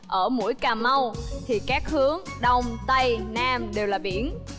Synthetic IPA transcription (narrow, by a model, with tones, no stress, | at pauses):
ʔəː˧˩mṵ˧˥jkaː˨˩ma˧wt̪ʰi˨˩kaː˦˥k̚hɨ˨˦əŋɗɔ˧wŋ͡mt̪ə˧jnaː˧mɗe˨˩wlaː˨˩ɓḭ˧˩ən